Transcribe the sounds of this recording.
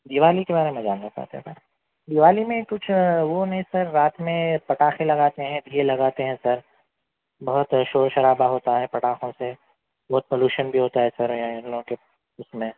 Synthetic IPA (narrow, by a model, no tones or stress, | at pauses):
d̪ɪʋaːlikebaːɾemẽd͡ʒaːnːat͡ʃa̰ɦt̪eɦɛ̃sɐɾ | d̪ɪʋaːlimẽkʊt͡ʃʰʋonɐɦĩsɐɾːaːt̪mẽpɐʈaːxẽlɐɡaːt̪eɦɛ̃d̪ielɐɡaːt̪eɦɛ̃sɐɾ | bɐɦʊt̪ʃoːɾʃɐɾaːbaɦoːt̪aɦɛpɐʈaːxõse | bɐɦʊt̪̚poːluːʃənbʱiɦoːt̪aɦɛsɐɾjanloõke | ʊsmẽ